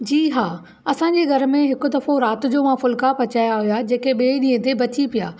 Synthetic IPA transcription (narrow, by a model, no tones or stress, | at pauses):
d͡ʑiːɦaː | ɐsãɲd͡ʑeːɡʱɐɾ̆mẽɦɪkʊ̆d̪ɐfoɾaːt̪ʊ̆d͡ʑoːmãfʊlkapɐt͡ɕaːjaɦʊjad͡ʑeːkeɓeːiɗĩːə̃t̪ebɐt̪ʰipija̰ː